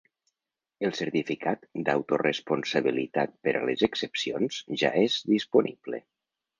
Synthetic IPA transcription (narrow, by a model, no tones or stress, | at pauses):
əlˠsəɾt̪ifikʰat̪d̪a̰wt̪orəspunsəβilit̪at̪̚pəɾʔə̰lezəksəpsionz̥ʒa̰ezðisponiblḛ